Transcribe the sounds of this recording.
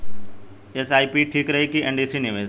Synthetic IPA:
esaːipiʈʰiːkɾɐɦikieɳɖiːsiniʋeːs

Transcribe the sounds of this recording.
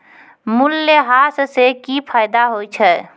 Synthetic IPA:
mulːeɦassekipʰajd̪aɦojt͡ʃʰɛ

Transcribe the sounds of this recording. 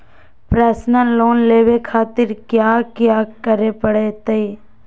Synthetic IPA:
pɾaːsnəloːnleːʋekʰaːt̪ɪɾkjaːkjaːkəɾepəɽet̪e

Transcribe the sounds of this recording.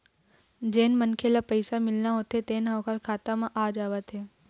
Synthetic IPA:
d͡ʒeːnmənkʰelapəɪsamɪlnaɦoːt̪et̪eːnɦɐːkʰaɾkʰaːt̪amãʔaːd͡ʒaːʋət̪ɦeː

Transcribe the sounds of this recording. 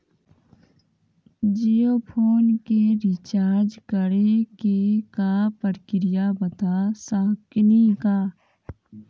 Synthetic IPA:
d͡ʒijoːpʰoːnkeɾɪt͡ʃaːɾd͡ʒkəɽekekapəɾkɾɪjabət̪asaːknikaː

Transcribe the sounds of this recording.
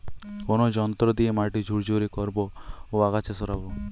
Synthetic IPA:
konod͡ʒɔnt̪ɾɔd̪iemaʈid͡ʒʱuɾd͡ʒʱuɾikɔɾbooaɡat͡ʃʰesɔɾabo

